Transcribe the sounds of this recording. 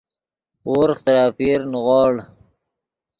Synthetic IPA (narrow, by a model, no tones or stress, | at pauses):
oɾχt̪ɾɑːpiɾnɣɑːɽ